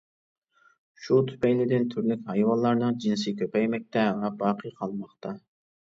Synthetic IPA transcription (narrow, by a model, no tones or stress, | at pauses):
ʃut̪ʰy̥pɛjnɪd̪ɪnt̪ʰyɾlykʲhɑjwɑnlˠːɑɾnɨŋd͡ʒinsɪkʲʰøpɛjmɛk̚ʲt̪ʰɛɦæŋɑbɑːqʰəqʰɑlˠmɑχt̪ʰɑ